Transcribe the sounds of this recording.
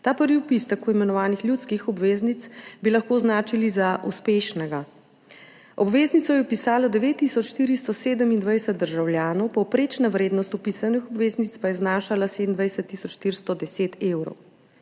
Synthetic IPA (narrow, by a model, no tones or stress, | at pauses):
t̪aːpəɾʋiupist̪əkuimɛnɔʋaːnixljut̪skixɔbʋeːznit̪sbilɐxkoːznaːt͡ʃilizaʔuspeːʃnɛɡa | ɔbʋeːznit̪sɔjɛwpisaːlad̪ɛʋeːt̪ːisɔt͡ʃʃt̪iːɾist̪ɔseːd̪əmind̪ʋajsɛt̪̚d̪əɾʒawljaːnɔwpɔwpɾeːt͡ʃnaʋɾeːd̪nɔst̪ɔpisanixɔbʋeːznit̪spajɛznaːʃalased̪ənd̪ʋajsɛt̪ːisɔt͡ʃʃt̪iɾst̪ɔd̪ɛseːt̪eːwɾɔ̰w